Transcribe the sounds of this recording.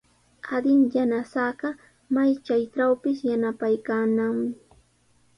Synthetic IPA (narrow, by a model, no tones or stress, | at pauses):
ad̪ɪŋjanasɑɢɑ | majt͡ʃajʈ͡ʂawpɪsjanapajkaːnaŋmɪ